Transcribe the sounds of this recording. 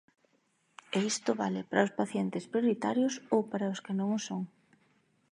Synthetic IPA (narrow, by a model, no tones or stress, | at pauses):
eist̪ʊβalɪpaɾaʊspaθjɛnt̪ɪspɾjoɾit̪aɾjʊsowpaɾaʊskɪnõŋʊsoŋ